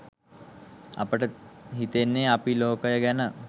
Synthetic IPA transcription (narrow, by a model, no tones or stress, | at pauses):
ɐ̰pəʈəɦit̪enːeapiloːkəjəɡænə